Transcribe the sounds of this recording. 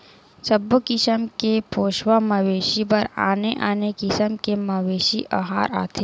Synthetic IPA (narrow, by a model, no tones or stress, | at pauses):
sɐbokɪsəmkepoːʃwamɐʋeːʃipɐɾa̰ːneʔaːnekɪsəmkemɐʋeːʃiʔaɦaːɾa̰ːt̪ʰeː